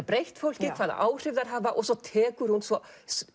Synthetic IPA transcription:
pɾejht̪fowl̥cɪkʰvaːða̰ʔaːwr̥ɪvðaɾ̥ɦaːvaʔɔsɔt̪ʰɛːkʏɾ̥hunsvɔ

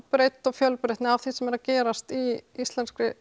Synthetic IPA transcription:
pɾejt̪ːɔɣfjœlpɾejht̪nɪawθisɛmɛɾaðcɛːɾast̪iist̪lɛnskɾɪ

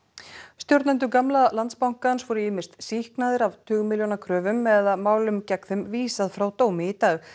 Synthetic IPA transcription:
st̪joɾt̪nɛnt̪̬ʏkamlalant̪spawŋ̥kansvɔɾʏɪːmɪ̥st̪sihknaðɪɾavt̪ʰʏːɣʏmɪljownakʰɾœːvʏmɛðamaːwlʏmcɛkθʏmviːsaðfɾawt̪oːwmɪit̪aːɣ

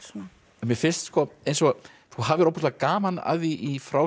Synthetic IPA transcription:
ɛmjɪɾfɪ̥st̪skɔejnsɔɣ | θuɦaːvɪɾɔwpːɔ̥st̪lakaːmana̰ðiʔifɾaːw

